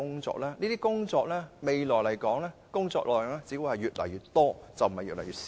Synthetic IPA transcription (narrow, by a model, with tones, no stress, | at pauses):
ʊ˥ŋt͡sɔ̰ː˧k̚lɛː˥niː˥t̪iː˥kʊ˥ŋt͡sɔː˧k̚lɛː˥me˨jlɔː˨˩jlɐ˨˩jkɔː˨˥ŋlɛː˥kʊ˥ŋt͡sɔ̰ː˧k̚lɔ̰ː˨˩˨jʊ˨˧ŋlɛː˥t͡siː˨˥wu˧˥hɐ˨jɥyː˨˩t̚lɐ̰˨˩jyː˨˧t̪ɔː˥t͡sɐ˨wm̩˨˩hɐ˨jyː˨t̚lɐ˨˩jyː˨t̚